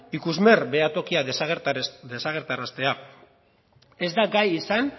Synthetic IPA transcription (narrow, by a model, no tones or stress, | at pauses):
ikuzme̞rbe̞at̪o̞kiasɣd̪esaɣ̞e̞ɾt̪aɾast̪e̞a | e̞zd̪aɡajisan